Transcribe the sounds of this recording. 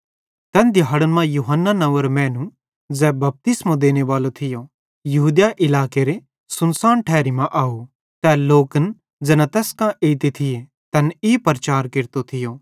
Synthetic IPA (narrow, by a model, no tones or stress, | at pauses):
t̪ɛnd̪ɪjɦːɽənmãjuːɦənːanɐʋəɾmɛ̃ːnũ | d͡zɛːbɐp̚t̪ɪsmãd̪eːñeʋaːlot̪ʰɪjo | jɐɦuːd̪jaʔɪlaːkeɾe | sʊnsaːnʈʰɛːɾimãʔaːu | t̪ɛloːkən | d͡zɛnãt̪ɛːskãʔeːt̪et̪ʰɪje | t̪ɛniːpɐɾt͡ʃaːɾkɪɾt̪ot̪ʰɪjo